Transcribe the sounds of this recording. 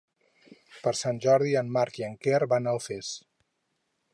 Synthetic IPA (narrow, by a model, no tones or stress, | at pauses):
pəɾsanʲʒɔɾðiəmmaɾkjəŋkerβanəlˠfes